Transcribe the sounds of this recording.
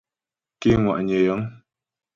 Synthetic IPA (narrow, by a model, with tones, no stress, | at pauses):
ki˦ŋwa̰˨ʔɲɛ˨jɔ˨˦ŋ